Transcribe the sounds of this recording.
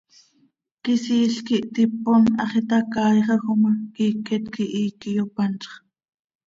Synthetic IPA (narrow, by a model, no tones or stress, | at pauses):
kisiːɬkiʔt̪iponɑχit̪ɑkɑːjχɑxomɑkiːket̪kiʔiːkijopɑnt͡ʃχ